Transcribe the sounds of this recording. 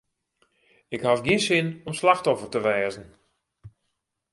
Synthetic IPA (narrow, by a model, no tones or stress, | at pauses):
ɪkhafɡiənsɪnɔmslaxtɔfərtəʋɛːzən̩